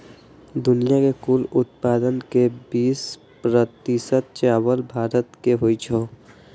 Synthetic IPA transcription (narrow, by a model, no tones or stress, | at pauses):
d̪ʊnijakekulʊt̪̚paːd̪ənkebiːs | pɾət̪isət̪̚t͡ʃaːwəlbʱaːɾət̪keɦoit͡ʃʰo